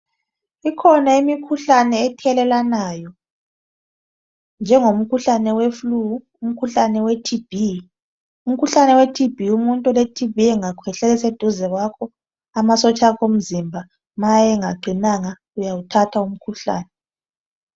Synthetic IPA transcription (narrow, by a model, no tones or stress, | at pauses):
ikʰɔnaimikʰuɬanɛːtʰɛlɛlanajɔ | nd͡ʒʱɛŋom̩kʰuɬanɛwefluː | m̩kʰuɬanɛwetʰib̥ʱi | um̩kʰuɬanɛwetʰib̥ʱiumuntʼɔletʰibʱiɛŋakʰwɛɬɛlɛsed̥ʱuzɛɣwakʰɔ | amasɔt͡ʃʼakʰom̩zimbʱa | majɛŋaɡ͡ǀʱinaŋa | ujautʰatʰaum̩kʰuɬa̰ːnɛ